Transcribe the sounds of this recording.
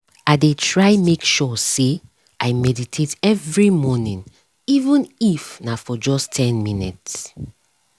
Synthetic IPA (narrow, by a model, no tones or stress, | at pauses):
aɪdetʰɹaɪmekʃɔse | ʔaɪmɛditʰetɛvɹimɔnĩn | ivə̃nifnafɔd͡ʒɔstʰɛ̃nmĩnḭts